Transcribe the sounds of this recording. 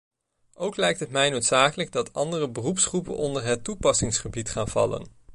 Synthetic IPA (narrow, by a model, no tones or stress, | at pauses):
ʔowklɛjk̚tɦətmɛjnowtsaːkələɡ̚dɑtʰɑndərəbərupsχrupənɔndəɹɦətːupɑsɪŋsχəbitχaːnv̥ɑ̰lə̰n